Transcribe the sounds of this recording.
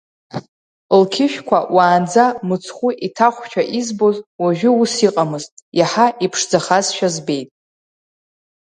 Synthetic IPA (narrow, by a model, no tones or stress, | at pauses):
lkʲʰɪʃᶣkʷʰawaːnd͡zamɨt͡sʰχʷʊʔitʰaχʷt͡ʃʷᶣʰaʔizbozwaʒᶣɪusiqʼamɨztʼjaħaipʰʂd͡zaχazʃᶣazbe̞jtʼ